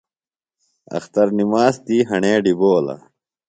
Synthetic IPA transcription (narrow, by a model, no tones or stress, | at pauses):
ɐ̰xt̪ɐɾnimaːst̪iːɦɐɳeːɖiboːlɐ̰